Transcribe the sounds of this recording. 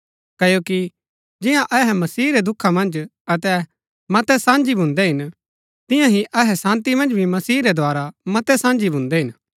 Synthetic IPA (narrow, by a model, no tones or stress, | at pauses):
kɐjoːki | d͡ʒɪjãʔɐɦɛmɐsiːɾɛd̪ʊkʰːamɐ̃nd͡ʒ | ɐt̪ɛ | mɐt̪ɛsãːnd͡ʒibʱʊ̃nd̪ɛɦɪn | t̪ɪ̃jãɦiʔɐɦɛsãːnt̪imɐ̃nd͡ʒbʱimɐsiːɾɛd̪ʱoaːɾamɐt̪ɛsãːnd͡ʒibʱʊ̃nd̪ɛɦɪn